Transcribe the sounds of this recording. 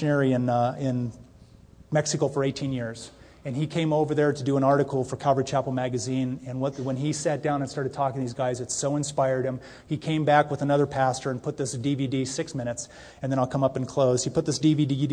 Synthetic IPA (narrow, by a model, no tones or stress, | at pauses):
ɨnɛɹiɨ̃nɪ̃n | mɛksɨkoʊfə˞eɪtʰĩnjɪɹz̥ | ɨ̃nikʰẽɪ̃moʊvə˞ðə˞ɾɨdɨə̃nɑɹɾɨkʰl̩ˠfə˞kʰaʊvə˞ɨt͡ʃʰæpl̩ˠmæɡɨzĩnɨ̃nwʌtwə̃nisæt̚d̥ãʊ̃nə̃nstɑɹɾɨd̚tʰɔkɪ̃ŋðizɡaɪzɨtsoʊɨ̃nspaɪə˞d̚ɨ̃m | ikʰẽɪ̃mbækwəðənʌðə˞pʰæstə˞ɨ̃npʰʊt̪̚ðɪsd̥ividisɪksmɪ̃ɾ̃ɨts | ɨ̃nðɨ̃ɾ̃aɪlˠkʰʌ̃mʌpn̩kʰl̥oʊz̥ipʊt̪̚ðɪsd̥ividii